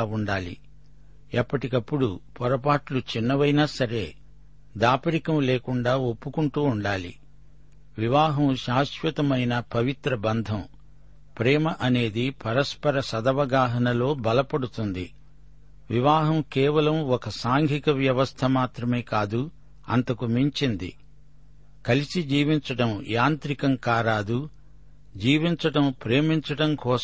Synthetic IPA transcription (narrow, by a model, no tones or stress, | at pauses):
uɳɖaːlḭ | ɐpːɐʈikɐpːuɽupɔɾɐp̬aːʈlut͡ʃinːɐʋɐjnaːsɐɾe̞ː | d̪aːpɐɾikɐmleːkuɳɖaːopːukuɳʈuːɳɖaːlḭ | ʋiʋaːɦɐmʃaːʃʋɐt̪ɐmɐjnɐpɐʋit̪ɾɐbɐnd̪ʱɐm | pɾɛːmɐʔɐne̞ːd̪ipɐɾɐspɐɾɐsɐd̪ɐʋɐɡaːɦɐnɐlo̞ːbɐlɐpɐɽut̪und̪ḭ | ʋiʋaːɦɐmkɛːʋɐlɐmɔkɐsaːŋɡʱikɐʋjɐʋɐst̪ʰɐmaːt̪ɾɐme̞ːkaːd̪u | ɐ̰nt̪ɐkumiɲt͡ʃind̪ḭ | kɐlisid͡ʒiːʋiɲt͡ʃɐʈɐmjaːnt̪ɾikɐmkaːɾaːd̪u | d͡ʒiːʋiɲt͡ʃɐʈɐmpɾeːmiɲt͡ʃɐʈɐmkɔː